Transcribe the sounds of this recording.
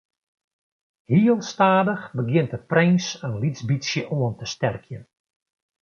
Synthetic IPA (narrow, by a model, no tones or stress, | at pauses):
hiəlˠstaːdəxbəɡjɪntəprɪŋsənlizbisjəʔoəntəstɛrkʰjən